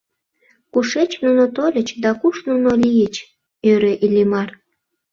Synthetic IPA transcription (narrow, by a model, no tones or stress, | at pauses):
kuʃet͡ɕnunot̪olʲət͡ɕd̪ɑkuʃnunolʲijət͡ɕ | øɾeʔilʲimɑr